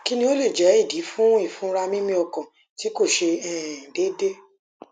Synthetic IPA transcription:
ki˧nĩ˦o˦le˦˨d͡ʒɛ˨˦i˦˨di˨˦fũ˦i˦˨fũ˨˦ɾa˧mĩ˦mĩ˧ɔ˧kã˨ | ti˨˦ko˦˨ʃe˧ɛ˨de˦de˦

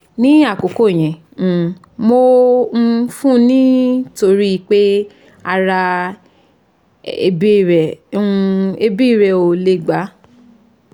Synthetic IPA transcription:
nĩ˦a˦˨ko˨ko˦˨j̃ɛ̃˨ | mo˧˦˧ | fũ˦nĩ˦to˧ɾi˦i˧˨k͡pe˦ | a˧ɾa˧ | ḛ˧bi˦˨ɾɛ̃˨˧ | e˧bi˦˨ɾɛ˨o˨le˨ɡ͡ba˨˦

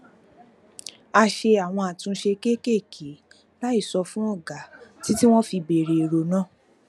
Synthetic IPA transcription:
a˧ʃe˧a˨w̃ɔ̃˧a˨tũ˧ʃe˧ke˦ke˦˨kʰe˨˦ | la˦i˦˨sɔ˧fũ˦ɔ˦˨ɡa˨˦ti˦ti˦w̃ɔ̃˦fi˧be˨ɾe˨ɾo˨˦nãː˦˨

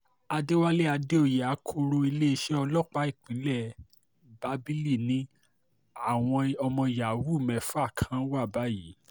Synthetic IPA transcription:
a˧de˦wa˦le˦a˧de˦o˦˨ja˨˦kʰo˧ɾo˧i˧le˦i˧ʃɛ˦ɔ˧lɔ˦˨k͡pa˦i˦˨k͡pĩ˨˦lɛ˦˨ | ba˧˦bi˦li˦˨nĩ˨˦ | a˦˨w̃ɔ̃˧ɔ˧mɔ̃˧i˧˨ja˨wu˦˨mɛ̃˨fũ˦a˦˨kʰã˧˦wa˦˨ba˨˦ji˨˦

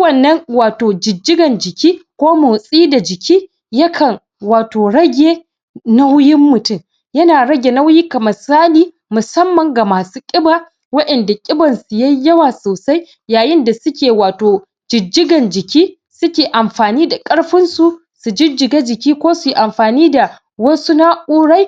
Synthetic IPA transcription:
wɐ˨nːɐ˦ŋwaː˨toː˨d͡ʒɪ˨d͡ʒːɪ˦ɡɐ˨nd͡ʒɪ˨kʲiː˦kʷoː˦mʊ˨wsʼiː˦da˨d͡ʒɪ˨kʲiː˦ | jɐ˦kʰɐ˨ŋ | waː˨toː˨ɽɐ˦ɡʲeː˦ | na˦wjɪ˦mːʊ˨tʊ˦˨m | jɐ˦naː˨ɽɐ˦ɡʲe˨na˦wjiː˦kɐ˨mɐ˨saː˦liː˦ | mʊ˨sɐ˦mːɐ˨ŋɡa˨maː˨suː˦kʲʼɪ˦baː˦˨ | wɐ˦ʔɛ˨nda˨kʲʼɪ˦bɐ˨nsu˨jɐ˦jɐ˦waː˨soː˨sa˦j | jaː˨jɪ˦nda˨sʊ˦kʲeː˨waː˨toː˨ | d͡ʒɪ˨d͡ʒːɪ˦ɡɐ˨nd͡ʒɪ˨kʲiː˦ | sʊ˦kʲeː˨ʔa˨mɸaː˨niː˦da˨kʼɐ˦ɽɸɪ˦nsu˨ | su˨d͡ʒɪ˦d͡ʒːɪ˨ɡaː˦d͡ʒɪ˨kʲiː˦kʷoː˦su˨ji˦ʔa˨mɸaː˨niː˦da˨ | wɐ˦su˦na˦kʼuː˦ɽa˦j

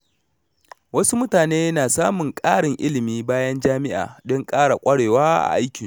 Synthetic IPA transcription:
wɐ˦su˦mʊ˦taː˨neː˦naː˨saː˦mʊ˨ŋkʼaː˦ɽɪ˨ŋʔɪ˦lɪ˨miː˦baː˦jɐ˦nd͡ʒaː˦mɪ˦ʔa̰ː˨dɔ˦ŋkʼaː˦ɽa˨kʷʼɐ˦ɽeː˨waː˦ʔa̰˨ʔa˦jkʲɪ˨ŋ

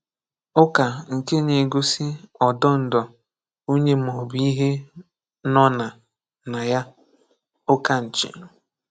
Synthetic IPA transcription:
ʊ˦ka˨ŋ̩˨ke˦ne˨ɡo˦si˦ɔ˨dɔ˦n̩˨dɔ˨ | o˦ɲe˦mɔ˨bi˦ɦe˦ | nɔ˦na˨ | na˨ja˦ | ʊ˦ka˨n̩˨t͡ʃɪ̰˨

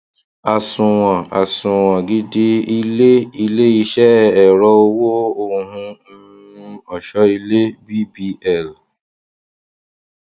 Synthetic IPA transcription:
a˨sũ˨w̃ã˨a˨sũ˨w̃ã˨ɡi˦di˦i˧le˦i˧le˦i˧ʃɛ˦ɛ˨ɾɔ˧o˧wo˦o˧ɦũ˧ | ũ˧ɔ˨ʃɔ˧˦i˧le˦bi˦bi˦˧ɛ˦˨l

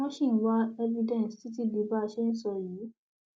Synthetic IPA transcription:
ɔ̃˦ʃĩ˦˨˦wa˦ɛ˦vi˧dɛ̃˦˨nsti˨˦t̬i˦di˨˧ba˦˧ʃe˦n̩˦sɔ˧ji˨˦

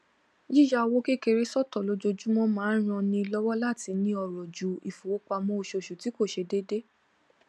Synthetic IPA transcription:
ji˦˨ja˦˧wo˦ke˦˨ke˧ɾe˦sɔ˦˨tɔ˨lo˧d͡ʒo˧d͡ʒu˦mɔ̃˦mãː˦ɾ̃ɔ̃˧nĩ˧lɔ˦wɔ˦la˦˨ti˧nĩ˧ɔ˧˨ɾɔ˨d͡ʒu˨i˨fo˨wo˨˦k͡pa˧mɔ̃˧o˨ʃo˨ʃu˨ti˨˦ko˦˨ʃe˧de˦de˦

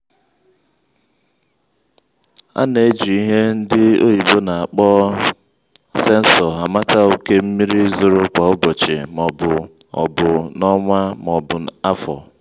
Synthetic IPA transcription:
a̰˦ne˨˦d͡ʒi˨i˦ɦe˦n̩˦dɪ˦o˦i˨bo˦na˨a˨k͡pɔ˦ | se˦n̩˦sɔ˨a˨ma˦ta˦o˦ke˦m̩˦mi˦ɾi˦zʊ˦ɾʊ˦kʷa˨ʊ˦bɔ˨t͡ʃɪ˨mɔ˨bʊ˨ | ɔ̰˨bʊ˨nɔ˦ŋʷa˦m˨ɔ˨bʊ˨n˨a˦fɔ̰˨

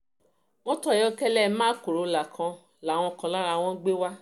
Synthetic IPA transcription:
w̃ɔ̃˦tɔ˦˨ɔ˦˧˦kɛ˦lɛ˦˨mãː˦ko˨ɾo˨la˨kʰã˧ | la˨w̃ɔ̃˧kɔ̃˧la˦ɾa˧w̃ɔ̃˦ɡ͡be˦wa˦

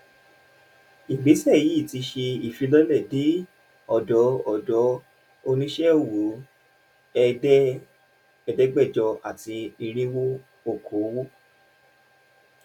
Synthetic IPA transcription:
i˨ɡ͡be˨˦sɛ˦˨ji˨˦˨ti˧ʃe˧i˨fi˧lɔ˦lɛ˦˨de˨˦ | ɔ˦˨dɔ˨˦ɔ˦˨dɔ˨˦ | o˧nĩ˦ʃɛ˦o˦˨wo˨˦ | ɛ˧ɛ˦ | ɛ˧dɛ˦ɡ͡bɛ˦˨d͡ʒɔ˧a˨ti˧i˧ɾ̃ĩ˦wo˦ | o˦˨kʰo˨˦wo˦

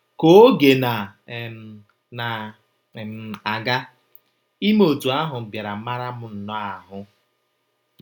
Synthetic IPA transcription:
ko˨˦o˦ɡe˨na˨ | na˨ | m˨a˨ɡa˦ | i˦m˦o˨tu˨a˦ɦʊ˨bja˨ɾa˨˦ma˦ɾa˦mʊ˨n̩˨nɔ˦a˨ɦʊ˦

